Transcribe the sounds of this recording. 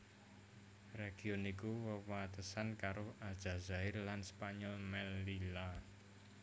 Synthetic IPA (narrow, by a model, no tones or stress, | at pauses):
reɡ̥iɔnikuwəwat̪əsankaɾʊhad̥ʒ̥a̤zaɪrlanspaɲɔlmɛlːila